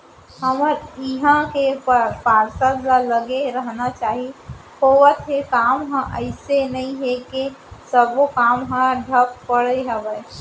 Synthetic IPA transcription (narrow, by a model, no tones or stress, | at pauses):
həməɾɪɦãkeppaːɾsəd̪laləɡeɾəɦnat͡ʃaːɦi | koːwət̪ɦekaːmɦãʔəɪsenəĩɦekesəbokaːmɦãɖʱəp̚pəɽeɦəbəj